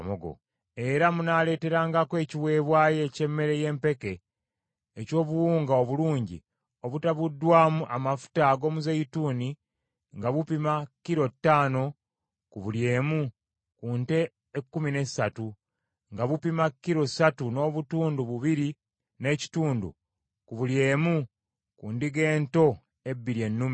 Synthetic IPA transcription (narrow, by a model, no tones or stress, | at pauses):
moɡo̰ | e̞ɾamunale̞ːte̞ɾaːŋɡakwe̞ːciwe̞ːβwaːje̞ce̞mːe̞ɾe̞je̞ːmpe̞ke̞ː | co̞ːβuwuːŋɡaoβuluːɲɟḭ | o̞βutaβudːwaːmuʔamafu̥taɡo̞ːmuzeituːni | ŋɡaβupimakːiɾo̞tːaːno̞ | kuβulje̞ːmu | kuːnte̞ː | kːumine̞satu | ŋɡaβupimakːiɾo̞satuno̞ːβutuːnduβuβiɾi | ne̞ci̥tuːndṵ | kuβulje̞ːmu | kundiɡe̞ːnto̞ | e̞bːiɾie̞nːumi